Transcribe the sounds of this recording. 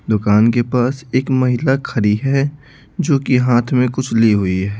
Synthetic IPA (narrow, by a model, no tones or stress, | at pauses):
d̪ʊkaːnkepaːseːkmɐɦɪlakʰɐɾiɦɛ | d͡ʒoːkiɦaːt̪ʰmẽkʊt͡ʃʰliɦʊiɦɛː